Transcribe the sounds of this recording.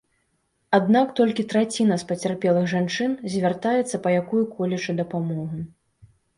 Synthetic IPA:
ad̪nakt̪ɔlʲkʲit̪ɾat͡sʲinɐspɐt͡sʲarpʲɛlˠɨɣʐant͡ʂɨnzʲvʲart̪ajɛt̪sːɐpɐjakujukʰɔlʲɛt͡ʂɨd̪ɐpamɔɣu

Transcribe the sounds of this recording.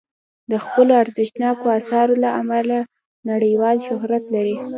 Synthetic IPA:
d̪əxpəloaɾzɪʃnɑkoasɑɾolaʔamala | naɽəjwɑlʃʊɦɾat̪laɾi

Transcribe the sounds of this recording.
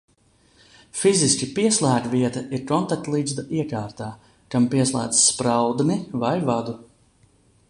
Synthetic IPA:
fiziskʲipiɛslˠæːɡviɛt̪aiɾkɔnt̪ak̚t̪lˠiːzd̪aʔiɛkaːɾt̪aː | kampiɛslˠæ̰ːd̪zspɾawd̪nivajvad̪u

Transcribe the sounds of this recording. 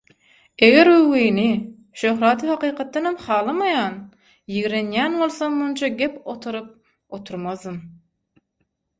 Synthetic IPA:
e̞ɣeɾøwiːni | ʃøɦɾɑːt̪ʰɯhɑqʰiːqʰɑt̪̚ːɑnɑmχɑːlˠɯmɑjɑːn | jiɣɾe̞njæːnβo̞lˠsɑmmunt͡ʃʰɑɡʲepot̪ʰuɾɯp̚ | ot̪ʰuɾmɑzd̪ɯm

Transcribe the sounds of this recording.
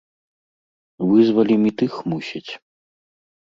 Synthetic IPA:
vɨzvɐlʲimʲit̪ɨxmusʲɐt͡sʲ

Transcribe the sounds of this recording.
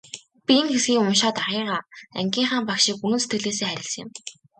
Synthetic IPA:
pʲienxesɡʲiːŋʊmʃɔːt̪arʁiːʁaːæ̰ŋɡʲiːɴχaːmpakʃikunɵ̆nset̪ɡɘ̆ɮeːs̬eːχæɾʲɪ̆ɮsə̆ŋɪ̆m

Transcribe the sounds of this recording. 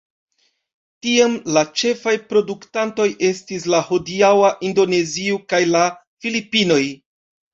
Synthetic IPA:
tiamlat͡ʃe̞fajpɾo̞duktanto̞jʔe̞stis̬lahodiawaʔindo̞ne̞ziokajlafilipino̞j

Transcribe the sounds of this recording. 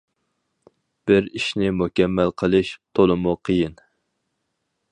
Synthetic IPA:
b̥ɪɾiʃnɪmukʲɛmːælqʰəlˠɨʃt̪ʰolˠɨmuqʰəjin

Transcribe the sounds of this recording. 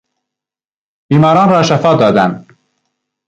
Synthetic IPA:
b̥iːmɑːɾɑːnɾɑːʃæfɒːd̪ɒːd̪æn

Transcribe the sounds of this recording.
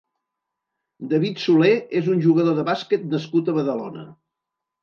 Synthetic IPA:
d̪əβit̪suleezunʲʒuɣəðoðəβaskɛt̪nəskut̪əβəðəlonə̰

